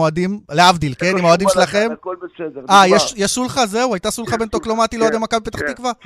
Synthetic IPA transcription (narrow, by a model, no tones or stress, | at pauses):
oad̪imleavd̪ilkenimaoad̪imʃelaχe̞m | ajeʃjeʃsulχazeuajt̪asulχabe̞nt̪oklo̞mat̪iloed̪emakabepet̪aχt̪ikva